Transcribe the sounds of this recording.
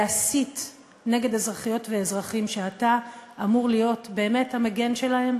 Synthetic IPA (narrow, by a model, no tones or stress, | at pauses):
asit | ne̞ɡe̞d̪e̞zʁaχijo̞tveezʁaχimʃe̞ataːmuʁlijo̞tbe̞ːme̞thameɡe̞nʃe̞lahe̞m